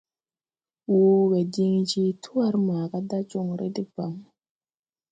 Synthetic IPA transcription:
wo˦ɡe˨di˦ŋd͡ʒi˦tʰu˦a˦ɾmaː˨ɡa˦da˦d͡ʒo˦˨ŋɾḛ˦di˦ba˨m

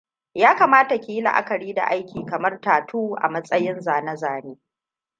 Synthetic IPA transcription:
jaː˦kaː˨maː˦ta˨kʲiː˦la̰˨ʔa̰˦kɐ˨ɽiː˦da̰˨ʔa˦jkʲiː˨kɐ˨mɐ˦rtaː˨tʰuː˦ʔa̰˨mɐ˦sʼɐ˦jɪ˦nzaː˨nɐ˦zaː˨neː˦

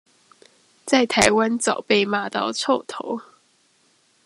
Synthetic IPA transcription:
t͡sa˥˩ɪt̪ʰa˧˥ɪwa˦nt͡sɑ˨˩ʊpe˥˧ɪma˨˥t̪ɑ˥˧ʊt͡sʰo˥˨˩ʊt̪ʰo˧˦ʊ

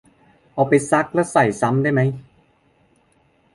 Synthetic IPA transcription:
ʔɔː˨˩pa˧jsa˦˥k̚lɛ˦˥wsa˨˩jsa˦˥mdaː˥˩jma˦˥j

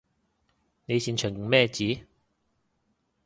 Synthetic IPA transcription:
ne˨˧jsiː˨˩nt͡ʃʰœː˨˩ŋki˨˩ŋmɛː˥˧t͡siː˨˥

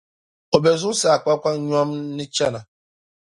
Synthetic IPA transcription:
o˨be˨zʊ˦sa˨a˨kʷa˦kʷa˦ɲ˦ɔ˦m̩˦nɪ˦t͡ʃa˦na˨

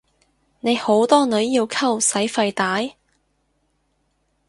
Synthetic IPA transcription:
ne˨˧jho˨˥wt̪ɔː˥nɵ˨˥ɥjiː˧wkʰɐ˥wsɐ˨˥jfɐ˧jt̪aː˨˥j

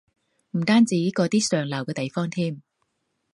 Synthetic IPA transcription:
m̩˨˩t̪aː˥nt͡siː˨˥jkɔː˧t̪iː˥sœː˨˩ŋlɐ˨˩wkɛː˧t̪e˨jfɔː˥ŋt̪ʰiː˥m

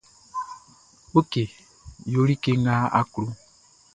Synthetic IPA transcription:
o˦ke˨ | jo˦ɾi˦ke˦ŋɡa˦a̰˦kɾu˦

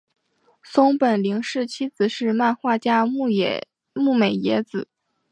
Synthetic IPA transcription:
sʊ˥ŋpə˨˩nli˧˥ŋʂɻ̩˥˩t͡ɕʰi˥t͡sɹ̩˨˩ʂɻ̩˥˧ma˥˧nxwa˥˩t͡ɕja˥˧˨ | mu˥˩me˨˩ɪjɛ˧˥t͡sɹ̩˨˩˦

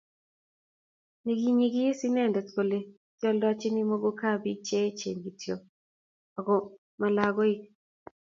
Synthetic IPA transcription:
ni˨ɡi˦ɲi˦ɡi˦si˦nɛ˦˨ndɛ˨t̪ko˨le˨ | kɔ˦ldɔ˦t͡ʃɪ˦ni˦mo˦ɡo˦ka˦bi˦t͡ʃɛ˦t͡ʃḛ˨ŋɡi˨tjo˨ | ɔ˨ɡɔ˨ | ma˨la˨ɡɔ˦i˦

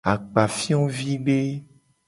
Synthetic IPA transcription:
a˨k͡pa˨fi˦ɔ̃˦vi˦be˦

